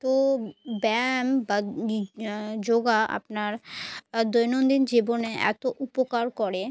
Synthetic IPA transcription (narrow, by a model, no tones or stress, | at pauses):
t̪obɛmba | d͡ʑoɡaa̰pnaɾ | d̪ojnond̪ind͡ʑiboneʔɛ̰t̪oʔupokaɾkɔɾe